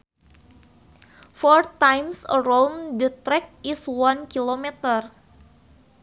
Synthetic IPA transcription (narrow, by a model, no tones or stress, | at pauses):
fɔrt̪ajmsə̰ɾomdət̪ɾɛk̚iswankilomɛt̪ər